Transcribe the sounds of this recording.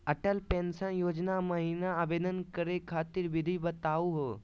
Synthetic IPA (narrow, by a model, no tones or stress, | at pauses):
əʈəlpẽnsə̃joːd͡ʒnamɐɦinaəʋeːd̪ənkəɾekʰaːt̪iɾʋɪd̪ʱibɐt̪aːuɦoː